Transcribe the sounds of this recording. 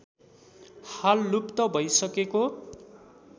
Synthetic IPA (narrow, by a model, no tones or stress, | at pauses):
halːupt̪ʌbʱʌjsʌkeko